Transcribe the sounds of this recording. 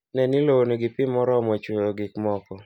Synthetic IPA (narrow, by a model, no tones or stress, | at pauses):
nɛnɪloonoɡipɪmɔɾɔmɔt͡ʃwojoɡɪkmɔkɔ